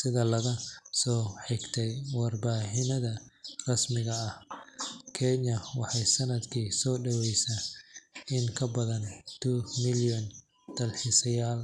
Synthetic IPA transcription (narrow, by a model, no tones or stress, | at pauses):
sɪðɐlɐɣɐsɔːħɪɡt̪ʰɛjwɑrbaːħɪnɐðɐrɐsmɪɣɐːh | kʰɛɲɐwɑħɑjsɐnɐd̪kʰiːsɔːɖɐwɛjsa | ɪŋkʰɐbɐðɐnt̪ʰuːmɪljɔn | d̪̥ɐlħɪsɐjaːl